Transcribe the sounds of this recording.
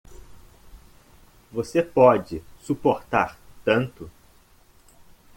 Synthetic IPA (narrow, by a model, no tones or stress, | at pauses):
vosepɔd͡ʒɪsupoɾt̪aɾt̪ɐ̃nt̪ʊ